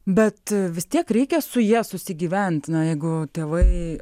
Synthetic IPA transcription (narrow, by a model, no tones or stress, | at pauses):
bʲɛt̪ʋʲɪst̪ʲiɛkɾʲɛɪkʲɛsʊjiɛsʊsʲɪɡʲiːʋʲænʲt̪ʲnɐjɛɪɡʊt̪ʲeːʋɐɪ